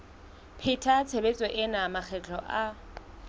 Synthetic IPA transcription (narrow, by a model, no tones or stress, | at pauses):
pʰɪtʰat͡sʰebet͡sʼɔʔɪnamak͡xʰɛt͡ɬʰʼɔ̰ʔa